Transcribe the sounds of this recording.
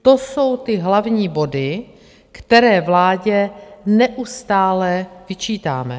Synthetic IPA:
t̪o̞so̞wt̪ɪɦlavɲiːbo̞dɪ | kt̪ɛɾɛːvlaːɟɛnɛʔust̪aːlɛvɪt͡ʃiːt̪aːmɛ̰

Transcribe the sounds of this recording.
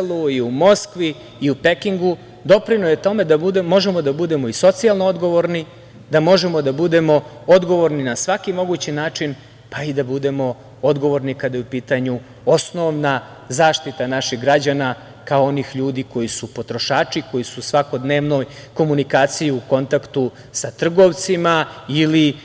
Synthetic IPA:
luiumo̞skʋiː | upe̞kiŋɡu | d̪o̞pɾinojet̪o̞me̞d̪abud̪emo̞ʒe̞mo̞d̪abud̪e̞mo̞iso̞t̪sialˠnood̪ɡo̞ʋo̞ɾni | d̪amo̞ʒe̞mo̞d̪abud̪e̞mo̞ | od̪ɡo̞ʋo̞ɾninasʋakimo̞ɡut͡ɕinaːt͡ʂin | paid̪abud̪e̞mo̞ | o̞d̪ɡo̞ʋo̞ɾnikad̪ajupiːt̪aɲu | o̞sno̞ʋna | zaːʃt̪it̪anaʃiɣɡɾad͡ʑana | kaoo̞nixʎuːd̪iko̞jisupo̞t̪ɾo̞ʃaːt͡ʂiko̞jisusʋako̞d̪ne̞ːʋno̞jko̞munikaːt̪sijiuko̞nt̪akt̪u | sat̪r̩ɡo̞ʋt̪simaili

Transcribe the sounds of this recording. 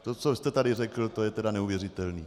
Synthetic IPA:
t̪ot͡sost̪ɛt̪adɪrɛkl̩t̪ojɛt̪ɛdanɛuvjɛrɪt̪ɛlniː

